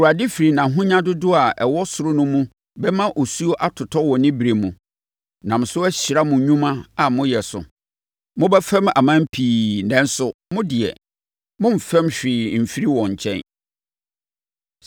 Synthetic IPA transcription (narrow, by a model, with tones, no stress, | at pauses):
wa˨dɪ˦fi˨ɾi˨nã˨ɦʊ̃˦ɲã˦dʊ˦dʊ˦a˨ɛ˨wɔ˦sʊ˨ɾʊ˦nʊ̃˦mũ˦ | bɛ˦mã˦ʔo˨su˦o˦ʔa˦tʰʊ˨tʰɔ˦wɔ˨nɪ̃˦bɾe˨mũ˨ | nã˨m̩˨sʊ˦ɛ˦ɕɪ˨ɾa˦mʊ̃˨ɲũ˦mã˦a˨mʊ̃˦jɛ˨sʊ̰˨ | mʊ̃˦bɛ˦fɛ̃˦ma̰˨mã˦m̩˦pʰiː˨nɛ̃˨n̩˦sʊ˨mʊ̃˦dɪ˨ɛ̰˨ | mʊ̃˦m̩˨fɛ̃˦mɕᶣɾɪː˨m̩˨fi˦ɾi˦wɔ̃˨ɲ˨t͡ɕʰɛ̰̃˦n